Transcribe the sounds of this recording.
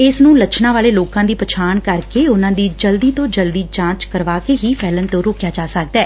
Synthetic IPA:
ɪsnũːlət͡ʃʰnãːʋaːleːloːkãːd̪iːpət͡ʃʰaːɳkəɾkeːʊnãːd̪iːd͡ʒəld̪iːt̪õːd͡ʒəld̪iːd͡ʒãːt͡ʃkəɾʋaːkeːɦiːpʰɛːlənt̪õːɾoːkjaːt͡ʃaːsək̚d̪ɛː

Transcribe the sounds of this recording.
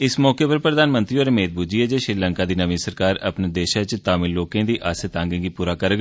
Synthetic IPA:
ɪsmɔːkeːpəɾpɾəd̪aːnmə̃nt̪ɾiːoːɾemeːd̪̚bud͡ʒiːɛːd͡ʒeːʃɾiːləŋkaːd̪iːnəʋĩːsəɾkaːɾə̰pneːd̪eːʃaːt͡ʃt̪aːmɪlloːkẽːd̪iːʔaːset̪ãːŋɡẽːɡiːpuːɾaːkəɾɡ

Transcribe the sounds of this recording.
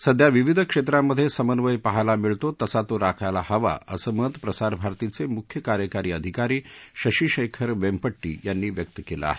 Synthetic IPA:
səd̪ʱjaʋiʋid̪ʱəkʂet̪ɾamːəd̪ʱːjesəmənʋəjpəɦajlamiɭt̪ot̪əsat̪oɾakʰajlahəʋa̰ə̰səməd̪pɾəsaɾbʱaɾt̪it͡semukʰjəkaɾjəkaɾiːəd̪ʱikaɾiːɕəɕiːɕəkʰəɾʋempəʈːḭːjanːiːʋjək̚t̪əkelə̰a̰ɦe

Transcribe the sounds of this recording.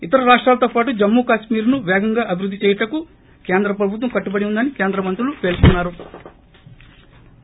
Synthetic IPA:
it̪ɐɾɐɾaːʂʈɾaːlɐt̪oːpaːʈud͡ʒɐmːuːkaːʃmiːɾnuʋɛːɡɐŋɡaːʔɐbʱiɾud̪ːit͡ʃɛːjɐʈɐku | keːnd̪ɾɐp̬ɾɐbʱut̪̬ʋɐmkɐʈːubɐɽiund̪ɐnike̞ːnd̪ɾɐmɐnt̪ɾulupe̞ːlkunːaːɾu

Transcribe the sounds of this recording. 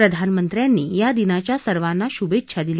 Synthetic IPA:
ɾəd̪ʱanmənt̪ɾjanːḭːjad̪inat͡ɕjasəɾʋanːaɕubetːɕʰad̪ile

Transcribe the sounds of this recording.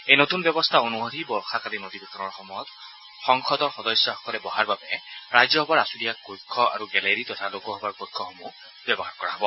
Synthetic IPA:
ejnotunbjɛbɔstʰaonuod̪ʱibɔxakalinodibɔkʰɔnɔɹxɔmɔjɔt | xɔŋkʰɔdɔɹxɔdɔjsjɔxɔ̥kɔlɛbɔɦaɹbabɛɹajzɔɦɔbaɹasudiakojkʰːɔʔa̰ɹuɡɛleɹitɔtʰalokɔɦɔbaɹkɔjkʰːɔxɔmu | b̥jɛbɔɦaɹkɔɹa̰ɦɔbɔ

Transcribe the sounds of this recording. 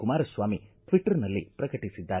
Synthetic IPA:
kumaːɾɐsʋaːmiʈ̪ʋiʈːɐɾnɐlːḭpɾɐkɐʈisid̪ːaː

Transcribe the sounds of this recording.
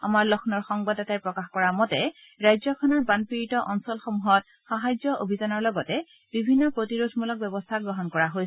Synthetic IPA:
a̰maɹlɔkʰnɔɹxɔŋbadɔtaɹpɹɔkaxkɔɹamɔtɛ | ɹajzɔkʰɔnɔɹbanpiɹitɔʔɔnsɔlxomuɦɔt̚ | xaɦajzɔʔobʱizanɔɹlɔɡɔtɛ | b̥ibʱinːɔpɹotiɹodʱmulɔk̚bɛbɔstʰaɡɹɔɦɔnkɔɹaɦoj

